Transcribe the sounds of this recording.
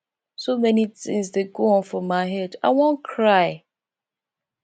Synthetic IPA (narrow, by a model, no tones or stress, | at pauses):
somɛnitɪ̃ŋsdeɡoɔ̃nfɹɔ̃mːaɪɦɛda̰ɪwɔ̃nkʰɹaɪ